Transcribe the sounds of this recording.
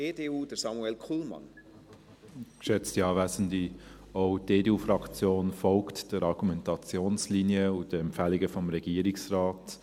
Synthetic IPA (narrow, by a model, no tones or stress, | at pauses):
edeuːdəɾsɑmuɛlkʰuːlmɑ̰n | kʃɛt͡stiɑːvæzən̩di | oʊdeːdeːuːfɾɑkt͡sjoːnfɔlktd̥əɾɑɾɡ̥umɛntɑt͡sjoːnslinjəʊd̥əɛmpfæːlɪɡəfɔmɾɛɡ̥iːɾɪksraːt